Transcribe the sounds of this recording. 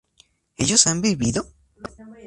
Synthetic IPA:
e̞ʝosambiβiðo

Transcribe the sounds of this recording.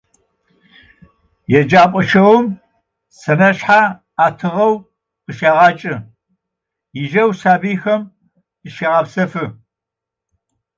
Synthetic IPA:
jɛd͡ʒaːpʷʼɔʃɐwʊm | sɐnɐɕħa | aːtʰɨʁɐw | qəʃaːʁɑːt͡ʃʼɨ | jɪʒɐwsaːbiːxɐm | ɨʃeʁɑːpsɐfɨ

